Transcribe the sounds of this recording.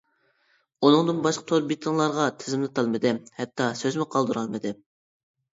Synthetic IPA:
unɨŋd̪ɨnbɑʃqʰɑ̥t̪ʰoɾbit̪ʰɨŋlˠɑɾʁɑt̪ʰɪzɪmlˠɨt̪ʰɑlˠmɨd̪ɪhɛt̪ʰːɑsøzmɪqʰɑlˠd̪uɾɑlˠmɨd̪ɪ

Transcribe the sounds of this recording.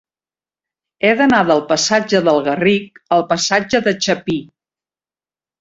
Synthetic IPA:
ɛðənaðəlˠpəsad͡ʒəðəlˠɣərik̚əlˠpəsad͡ʒəðət͡ʃəpi

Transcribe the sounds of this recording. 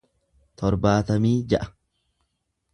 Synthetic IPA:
t̪ʰɔɾbaːt̪ɐmiːd͡ʒɐʔɐ̥

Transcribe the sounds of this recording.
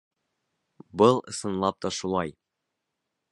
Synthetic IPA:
bɤlˠɤ̆sɤ̆nlˠɑp̚t̪ɒʃulˠɑj

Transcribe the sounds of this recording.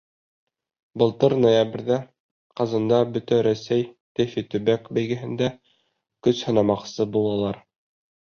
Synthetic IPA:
bɤ̆lˠt̪ɤɾnojabɘ̆ɾðæ | qɑzɑnd̪ɑbɵ̆t̪æɾæsæj | t̪ɘfit̪ɵ̆βækbæjɡɘ̆ɦɘ̆nd̪æ | kɵshɤ̆nɑmɑqsɤbulˠɑlˠɑɾ

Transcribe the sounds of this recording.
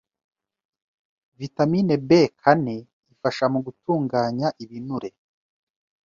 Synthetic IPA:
vitamine̞bekʰane | ifaʃamuɡutuːŋɡaːɲaʔiβinuɾe̞

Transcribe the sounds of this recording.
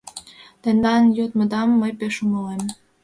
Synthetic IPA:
t̪end̪ɑnjot̪məd̪ɑmːəjpeʃuŋəlem

